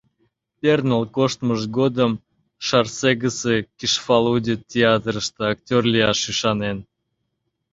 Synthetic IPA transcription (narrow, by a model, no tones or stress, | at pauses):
pʲernəlˠkoʃt̪məʒɡod̪əm | ʃɑrseɡəsekʲiʃfɑlˠudʲitʲeɑt̪ɾəʃt̪əɑk̚tʲorlʲijɑʃyʃɑnen